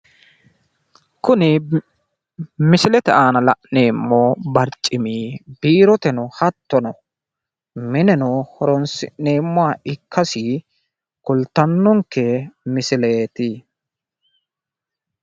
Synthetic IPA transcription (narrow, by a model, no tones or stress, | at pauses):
kʊnɪ | mɪsɪlɛt̪ɛʔaːnɐlɐʔneːmːoːbɐɾt͡ʃʼːɪmiːbiːɾɔt̪ɛnʊhɐt̪ːɔnɔ | mɪnɛnɔhɔɾɔnsɪ̰ʔne̞ːmːʊaɪkːɐsi | kʊlt̪ːɐnːɔŋkːɛmɪsɪle̞ːt̪ɪ